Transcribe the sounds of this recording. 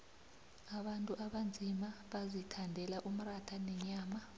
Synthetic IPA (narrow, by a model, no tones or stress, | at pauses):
aɓantʼuʔaɓand͡zʱimaɓazitʰandʱɛlaʔum̩ratʰanɛɲaːma